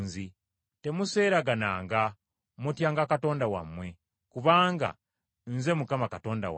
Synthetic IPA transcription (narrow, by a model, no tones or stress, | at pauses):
nzi | te̞muse̞ːɾaɡanaːŋɡa | mutjaːŋɡakato̞ːndawa̰mwe̞ | kuβaːŋɡa̰ | nze̞mukamakato̞ːnda̰w̰